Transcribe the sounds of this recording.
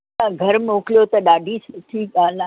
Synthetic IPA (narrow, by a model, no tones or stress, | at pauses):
ãɡʱɐɾmoːklijot̪ɐɗaːɖʱisʈʰiːkaːla